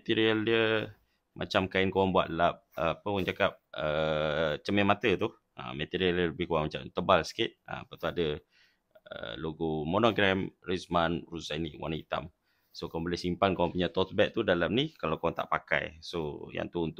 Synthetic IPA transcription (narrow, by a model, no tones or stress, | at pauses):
mɛt̪iɾiəldiə | mʔa̰t͡ʃamkaɪnkowaŋbua̰t̪əlap̚əapəkwaŋt͡ʃakap̚ə | t͡ʃəmɛmat̪ət̪uh | ə̰mɛt̪iɾiəldələbɪhkuwaŋmat͡ʃa̰mt̪əbalsə̥kɪt̪̚ə̰apət̪uadə | ə̰loɡumonoɡɾɛmrismanrusainiwa̰nit̪a̰m | sokaaŋbəlɪhsimpankowaŋpuɲat̪ɔt̪bɛʔ̚t̪udalam̚nikalawkowaŋt̪a̰ʔpaka̰jsoja̰ŋt̪uunt̪ʊ